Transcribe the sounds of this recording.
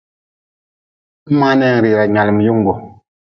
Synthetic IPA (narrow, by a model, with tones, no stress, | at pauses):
ma˦nɛ˦˨ŋ˨ɾi˨ɾa˨ɲa˨lə˨m˨ju˦ŋɡo˨